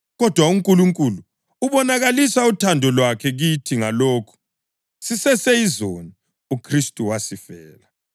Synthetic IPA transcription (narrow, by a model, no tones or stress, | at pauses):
ɣɔd̥ʱwauŋkʼuluŋkʼulu | uβɔnaɣalisautʰandʱɔlwakʰɛɣitʰiŋaloːkʰu̥ | sisɛseizoni | ukʰristʼuwasifɛːla